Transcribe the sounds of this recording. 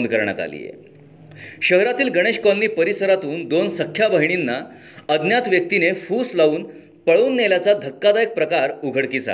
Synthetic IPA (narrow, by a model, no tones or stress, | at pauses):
nd̪̚kəɾɳja̰t̪a̰lḭjḛ | ɕəɦɾat̪iːlɡəɽ̃eɕkɔlniːpəɾisəɾat̪uːnd̪onsəkʰːjabəɦiɳ̃inːa | əd̪njat̪ʋjək̚t̪inefuːslauːn | pəɭuːnːeljat͡sad̪ʱəkːad̪ajek̚pɾəkaɾuɡʱəɽkiːsa̰